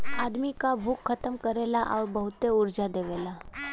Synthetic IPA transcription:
ad̪mikabʱukʰːət̪əmkəɾelaʔa̰ʋbəɦut̪euɾd͡ʒad̪eʋela

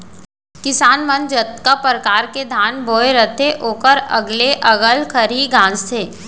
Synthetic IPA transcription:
kɪsaːnmə̃nd͡ʒət̪kapɾəkaːɾked̪ʱaːnboːeɾət̪ʰeʔoːkəɾɐ̰ɡleʔɐɡəlkʰəɾiɡãːst̪ʰeː

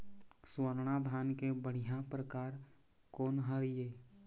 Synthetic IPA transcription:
swəɾɽad̪ʱaːnkebəɽ̤ijapɾəkaːɾ | koːnɦəɾijeː

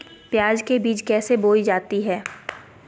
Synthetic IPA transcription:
pjaːd͡ʒkebiːt͡ʃkɛːseboːid͡ʒaːt̪iɦɛː

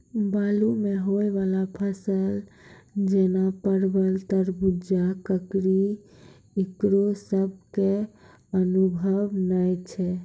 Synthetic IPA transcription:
balumeɦoeʋalapʰəsəl | d͡ʒenapəɾbəlt̪əɾbud͡ʒakəkɾi | ikɾosəb̚ʱke | ənubʱəʋnəjt͡ʃʰɛ

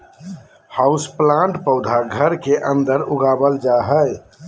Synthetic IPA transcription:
haʊsplãɳʈpəʊd̪ʱaɡʱəɾkeʔə̃nd̪əɾuɡabəld͡ʒaɦəj

